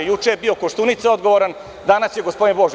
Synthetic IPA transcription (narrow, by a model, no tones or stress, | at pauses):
jut͡ʂejebio̞koʃt̪unit̪seo̞d̪ɡo̞ʋoɾan | d̪anasje̞ɡospo̞d̪inbo̞ʒ